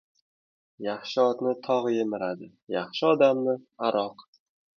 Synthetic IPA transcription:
jaχʃɪɒt̪nɪt̪ʰɒʁjemɪɾad̪ɪ | jaχʃɪɒd̪amnɪaɾɒq

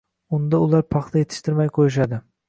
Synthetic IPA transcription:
ʊnd̪aʊlˠaɾpʰɑχt̪ʰaje̞t̪ʰɪ̥ʃt̪ɪɾmajqʰojɪʃ̬ad̪ɪ

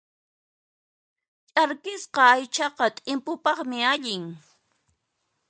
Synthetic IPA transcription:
t͡ʃʼaɾkɪsqɑːjt͡ʃɑqɑt̪ʼɪmpʊpɑχmɪaʎɪŋ

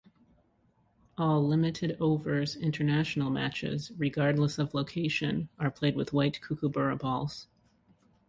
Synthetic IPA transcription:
ʔɔlˠlɪ̃mɨɾɨɾoʊvə˞zɪ̃ntʰə˞næʃn̩l̩ˠmæ̰t͡ʃɪ̰zɹɨɡɑɹdˡləsʌvloʊkʰeɪʃɨ̃nə˞pʰl̥eɪd̚wɨðwaɪt̚kʰukʰəbɜ˞ɨbɔlˠz̥

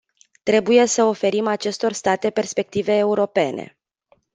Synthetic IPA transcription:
t̪ɾe̞buje̞səo̞fe̞ɾimat͡ʃe̞st̪o̞rst̪at̪e̞pe̞rspe̞k̚t̪ive̞ːuɾo̞pe̞ne̞̰

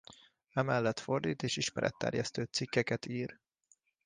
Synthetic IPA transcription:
ɛmɛlːɛt̪fo̞rd̪ḭːt̪eːʃiʃmɛɾɛ̰t̪ːɛ̰rjɛst̪øːt̪sikːɛkɛt̪iːr

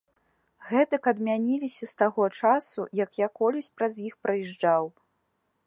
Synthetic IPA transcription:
ɣɛt̪ɐkɐd̪mʲanʲilʲisʲɐst̪aɣɔt͡ʂasujɐkjakɔlʲɐsʲpɾɐzjixpɾʔɐjɛʐd͡ʐaw

